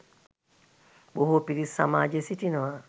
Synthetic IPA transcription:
ɓohopiɾisa̰ma̰ːd͡ʒesitinoa

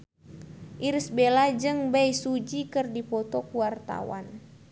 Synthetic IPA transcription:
ʔiɾsbelad͡ʒɨŋbajsud͡ʒikɨrdipɔt̪ɔkuwart̪a̰wa̰n

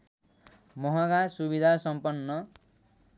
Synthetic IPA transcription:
mɔɦaɡasuβid̪ʱasʌmpʌnːʌ

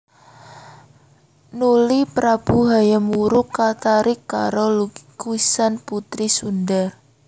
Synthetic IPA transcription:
nulipɾab̥ṳɦajamuɾʊkːat̪aɾɪkːa̰ɾokuisanput̪ɾisundar

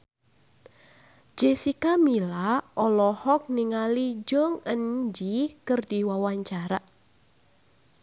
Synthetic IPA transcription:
d͡ʒɛsikamilaʔɔlɔhɔk̚niŋalid͡ʒɔŋənd͡ʒikɨrdiwawaɲt͡ʃaɾa

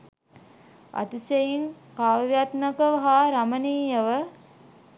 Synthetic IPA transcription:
a̰t̪isejiŋ | kaːʋjat̪məkəʋəɦaɾaməniːjəʋə

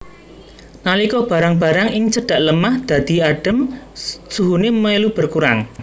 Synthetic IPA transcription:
nalikɔb̥a̤ɾaŋb̥a̤ɾaŋɪŋt͡ʃəɖ̥a̤ʔləmahd̪̥ä̤d̪̥i̤aɖ̥ə̤msuɦunemelub̥ə̤rkuɾa̰ŋ

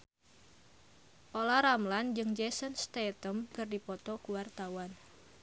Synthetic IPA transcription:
ʔolaɾamland͡ʒɨŋd͡ʒɛsənst̪et̪əmkɨrdipɔt̪ɔkuwart̪awan

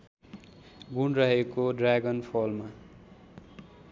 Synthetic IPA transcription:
ɡunrʌɦekoɖraɡʌnpʰolma

